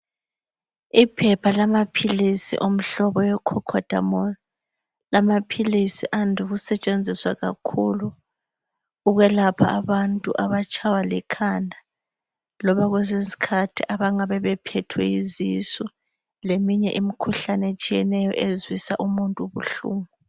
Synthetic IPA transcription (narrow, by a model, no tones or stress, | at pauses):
ipʰɛpʰalamapʰilisḭʔom̩ɬɔβɔjɛkʰɔkʰɔd̥ʱa̰mɔ | lamapʰilisiʔandʱuɣusɛt͡ʃʼend͡zʱiswaɣa̰kʰulu | ɣwɛlapʰaːβantʼuʔaβat͡ʃʰʼawalikʰandʱa | lɔβaɣwɛzisi̥kʰatʰiʔaβaŋaβɛβɛpʰɛtʰwɛ̰izisɔ | lemiɲɛʔimikʰuɬanɛet͡ʃʼijɛnɛjɔʔezwisaʔumuntʼuβuɬuːmɔ